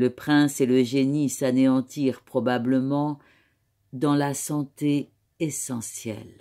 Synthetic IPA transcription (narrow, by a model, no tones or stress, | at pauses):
ləpχɛ̃seləʒenisaneɑ̃t̪iʁpχɔbabləmɑ̃ | d̪ɑ̃lasɑ̃t̪e | esɑ̃sjɛ̰l